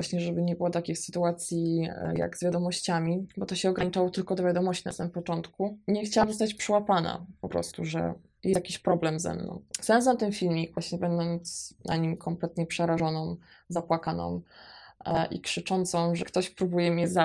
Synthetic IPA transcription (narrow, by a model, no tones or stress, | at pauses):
vwaɕɲɛʐɛbɘɲɛbɘwɔt̪akʲijsɘ̥t̪uat̪sʲjḭja̰ɡzvʲjad̪ɔmɔɕt͡ɕamʲibɔt̪ɔɕɛɔɡɾaɲit͡ʂawɔt̪ɘlkɔd̪ɔvʲjad̪ɔmɔɕt͡ɕinasamɘmpɔt͡ʂɔnt̪kuɲɛxt͡ɕawamzɔst̪at͡ɕpʂɛwapana̰pɔpɾɔ̰st̪uʐɛ̰ | jɛjakʲiɕpɾɔblɛmzɛ̰mnɔ̰̃wsɛns̬ɔnt̪ɨmfʲilmʲivwaɕɲɛbɛnd̪ɔnt̪snʔa̰ɲimkʰɔmplɛt̪ɲɛpʂɛɾaʐɔnɔ̃mzapwakanɔ̰̃m | ʔḭkʂɘt͡ʂɔnt̪sɔ̃mʐɛkt̪ɔɕpɾubujɛmʲɛza